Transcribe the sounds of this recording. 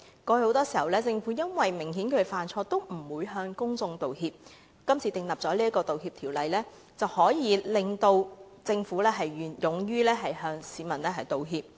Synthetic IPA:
kɔː˧ho˨˥wt̪ɔː˥siː˨˩hɐ˨˩wlɛː˥t͡sɪ˧ŋfuː˨˥jɐ˥nwɐ˨jmɪ˨˩ŋɦiː˨˥nkʰɵ˨˧faː˨˩nt͡sʰɔː˧t̪o˥wm̩˨˩wuː˨˧jɦœː˧ŋkʊ˥ŋt͡sʊ˧ŋt̪o˨whiː˧p̚ | kɐ˥mt͡ssʰiː˨t̪ɪ˨˧ŋlɐ˨p̚t͡sɔː˨˥liː˥ɐ˥tkɔː˧t̪o˨whiː˧p̚t̪ʰiː˨˩wlɐ˨jlɛː˥ | t͡sɐ˨whɔː˨˥jiː˨˧lɪ˨ŋt̪o˧w | t͡sɪ˧ŋfuː˨˥lɛː˥ɦɐ˨jːnjʊ˨ŋjyː˥lɛː˥ɦɐ˨jɦœː˧ŋsiː˨˧mɐ˨˩nlɛː˥ɦɐ˨jt̪o˨wɦiː˧p̚

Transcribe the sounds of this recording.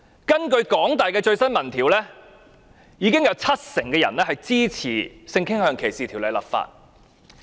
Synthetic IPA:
kɐ˥nkɵ˧ɥkɔː˨˥ŋt̪aː˨˩jkɛː˧t͡ʃɵ˧ɥsɐ˥nmɐ˨˩nt̪ʰiː˨˩wlɛː˥ | jiː˨˧kɪ˥ŋjɐ˨˧wt͡sʰɐ˥t̚sɪ˨˩ŋkɛː˧jɐ̰˨˩nlɛː˥hɐ˨jt͡siː˥t͡sʰḭː˨˩sɪ˧ŋkʰɪ˥ŋhœː˨˧ŋkʰe˨˩jsiː˨t̪ʰi˨˩wlɐ˨˧jlɐ̰˨pfa̰ː˧t̚

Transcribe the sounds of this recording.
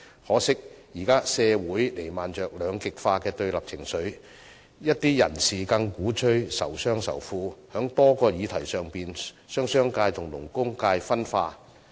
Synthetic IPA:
hɔː˨˥sɪ˥k̚jiː˨˩kaː˥sɛː˧wuː˨˥jle˨˩jmaː˨nt͡ʃœː˨k̚lœː˨˧ŋkɪ˨k̚faː˧kɛː˧t̪ɵ˧ɥlɐ˨p̚t͡sʰɪ˨˩ŋsɵ˨˥ɥ | jɐ˥t̚t̪iː˥jɐ̰˨˩nsiː˨kɐ˧ŋkuː˨˥t͡ʃʰɵ˥ɥsɐ̰˨˩wsœː˥ŋsɐ̰˨˩wfuː˧hœː˨˥ŋt̪ɔː˥kɔː˧jiː˨˧t̪ʰɐ˨˩jsœː˨˩ŋpiː˨˩n | sœː˥ŋsœː˥ŋkaː˧jt̪ʰʊ˨˩ŋlʊ̰˨˩ŋkʊ˥ŋkaː˧jfɐ˥nfaː˧

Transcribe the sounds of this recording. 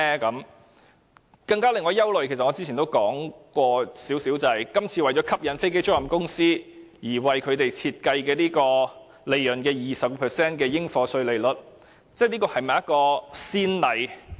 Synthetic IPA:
kɐ˨˥m | kɐ˧ŋkaː˥lɪ˨ŋːɔː˧jɐ˥wlɵ˨ɥkʰe˨˩st̚ɔ˨˧t͡si˥i˨˩t̪o˥wkɔː˨˥ŋkʷɔː˧siː˨˥wsiː˨˥wt͡sɐ˨˩hɐ˨jkɐ˥mt͡sʰiː˧wɐ˨jt͡ʃɔː˨˥kʰɐ˥p̚jɐ˨˧nfe˥jke˥jt͡sʊ˥ɐ˨˩mkʊ˥ŋsiː˥ | jiː˨˩wɐ˨jkʰɵ˨˧ɥt̪e˨jt͡sʰiː˧t̚kɐ˧jkɛː˧niː˥kɔː˧ | le˨˧jːɵ˨˩nkɛː˧jiː˨sɐ˨p̚kpʰɛː˨˩sɛː˥nkɛː˧jɪ˥ŋfɔː˧sɵ˧ɥle˨jlɵ˨˩t̚ | t͡sɛː˥˩niː˥kɔː˧hɐ˨jmɐ˨jɐ˥t̚kɔː˧siː˥nlɐ˨˧j

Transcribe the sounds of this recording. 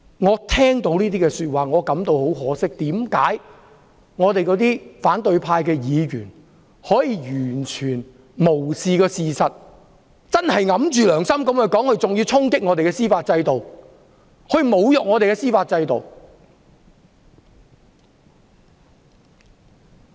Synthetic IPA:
ŋɔː˨˧t̪ʰɛː˥ŋt̪o˨˧˥wniː˥t̪iː˥kɛː˧syː˧t̚waː˨ŋɔː˨˧kɐ˨˧˥mt̪o˨˧who˨˥wɦɔː˨˥sɪ˥k̚t̪iː˨˥mkaː˨˥j | ŋɔː˨˧t̪e˨jkɔː˨˧˥t̪iː˥faː˨˥nt̪ɵ˨˧ɥpʰaː˧jkɛː˧jiː˨˧ɥyː˨˩n | hɔː˨˥jiː˨˧jyː˨˩nt͡ʃʰyː˨˩n | mo˨˩wsiː˨kɔː˧siː˨sɐ˨t̚ | t͡sɐ˥nhɐ˨jŋɐ˨˥mt͡ʃyː˨lœː˨˩ŋsɐ˥mkɐ˨˥mkɛ˧kɔː˨˥ŋhɵ˧ɥt͡sʊ˨ŋjiː˧wt͡sʰʊ˥ŋkɪ˥k̚ŋɔː˨˧t̪e˨jkɛ˧siː˥faː˧t̚t͡sɐ˧jt̪o˨w | hʰɵ˧ɥmo˨˧wjɔ˨k̚ŋɔː˨˧t̪e˨kɛː˧siː˥faː˧t̚t͡sɐ˧jt̪o˨w

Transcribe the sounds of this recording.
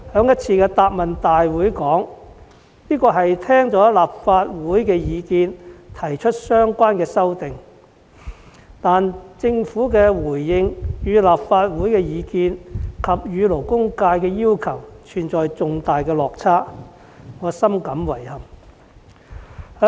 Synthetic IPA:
hœː˨˧˥ŋjɐ˥t̚t͡sʰiː˧kɛː˧t̪aː˧p̚mɐ˨nt̪aː˨jwuː˨˥jkɔː˨˥ŋ | niː˥kɔː˧ɦɐ˨jt̪ʰɛː˥ŋt͡sɔː˨˥laː˨p̚faː˧t̚wuː˨˥jkɛː˧jiː˨˧kiː˧nt̪ʰɐ˨˩jt͡ʃʰɵ˥t̚sœː˥ŋkʷaː˥nkɛː˧sɐ˥wt̪ɪ˨˩ŋ | t̪aː˨nt͡sɪ˧ŋfuː˨˥kɛː˧wuː˨˩jːɪ˧ŋjyː˨˧laː˨p̚faː˧t̚wuː˨˥jkɛː˧jiː˨˧kiː˧nkʰɐ˨p̚jyː˨˧lo˨˩wkʊ˥ŋkaː˧jkɛː˧jiː˥wkʰɐ˨˩wt͡ʃʰyː˨˩nt͡sɔː˨jt͡sʊ˨˧ŋt̪aː˨jkɛː˧lɔː˨k̚t͡sʰaː˥ | ŋɔː˨˧sɐ˥mkɐ˨˥mwɐ˨˩jhɐ˨m | hœː˨˥

